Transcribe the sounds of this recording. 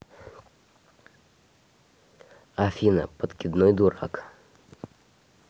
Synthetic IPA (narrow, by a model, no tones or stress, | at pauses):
afʲinə̰pət̪kʲɪd̪nɔjd̪ʊɾa̰k